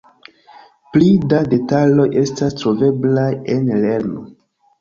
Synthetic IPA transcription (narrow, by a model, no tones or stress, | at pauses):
plidade̞talo̞jʔe̞stastɾo̞ve̞blaje̞nle̞ɾno